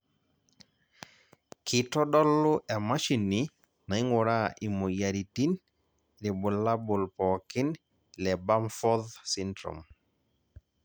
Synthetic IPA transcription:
kʰɪ˨tɔ˦dɔ˦lʊ˦ʔa˨ma˦ʃi˨ni˦ | na˨ɪ˦ŋɔ˨ɾa˦ʔi˨mo˨ja˨ɾi˨ti˦n | ɾi˨bʊ˨la˦bʊ˨lpɔ˨kɪ˦n | lɛ˨ba˦mfɔ˦ðsi˦ndɾɔ̰m

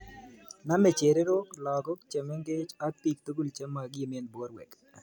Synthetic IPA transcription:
na˦me˨t͡ʃe˨ɾe˦ɾo˦klɔ˨ɡɔ˦kt͡ʃe˨me˦ŋɡe˦t͡ʃa˦pi˨k̚t̪o˦ɡu˦˨lt͡ʃe˦mːa˨ɡi˨me˦nbwɔ˦ɾwɛ̰˨k

